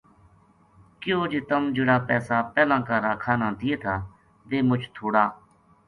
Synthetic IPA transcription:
kɪjoːd͡ʒeːt̪əmd͡ʒɪɽaːpɛːsaːpɛːlãːkaːɾaːkʰaːnãːd̪ɪjeːt̪ʰaː | ʋeːmʊt͡ʃʰt̪ʰoːɽaː

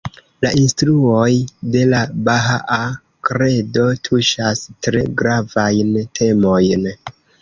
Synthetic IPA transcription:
laʔinstɾuo̞jde̞labaɦaʔa | kɾe̞do̞tʰuʃastɾe̞ɡɾavajntʰe̞mo̞jn

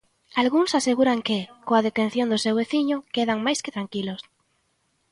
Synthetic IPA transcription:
alɣuŋsaseɣuɾaŋkɪkoaðet̪ẽn̟θjõnd̪ʊsewβeθiɲʊkeðaŋmajskɪt̪ɾaŋkilos

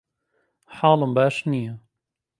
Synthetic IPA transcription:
ħɑːlɨmbaːʃnija

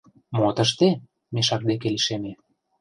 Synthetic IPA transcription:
mot̪əʃt̪e | meʃɑk̚d̪ek̬eliʃeme

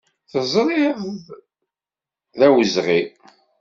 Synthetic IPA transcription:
θəzˤɾˤɪð | ðæwəzʁi

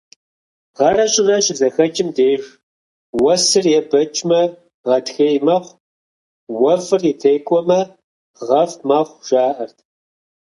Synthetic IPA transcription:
ʁɐrɐɕʼɪnɐʃɪzɐxɐt͡ʃʼɪmdeːʒ | wɐsɨrjɛbɐt͡ʃʼmɐ | ʁɐtxɐjmɐχʷ | wɐfɨritʰejkʷʼɔmɐ | ʁɐfmɐχʷʒaːʔɐrtʰ

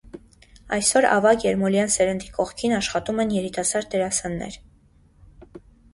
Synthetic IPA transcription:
ɑ̰jsɔɾɑ̰vɑkjɛɾmɔljɑnsɛɾənd̪ikɔʁkʰinɑʃχɑt̪umɛnjɛɾit̪ɑsɑɾt̪ɛɾɑsɑnːɛ̰ɾ

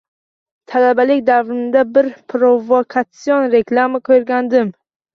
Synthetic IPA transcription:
t̪ʰalabalɪk̚ʲd̪avɾɪnd̪abɪɾpʰɾovokʰat̪sionɾe̞klˠamakʲʰɵɾɡʲand̪ɪm

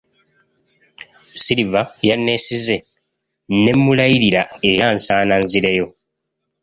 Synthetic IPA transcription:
siɾivajanːe̞size̞ | ne̞mːulajiɾiɾae̞ɾansaːnanziɾejo̞

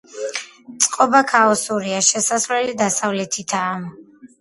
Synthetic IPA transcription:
t̪sʼqʼɔbakʰaɔsuɾiaʃɛsaslɛlid̪asavlɛt̪ʰit̪ʰaːm

